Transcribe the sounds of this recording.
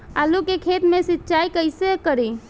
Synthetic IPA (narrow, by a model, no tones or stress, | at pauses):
alukekʰet̪mesitːt͡ʃajkəɪsekəɾi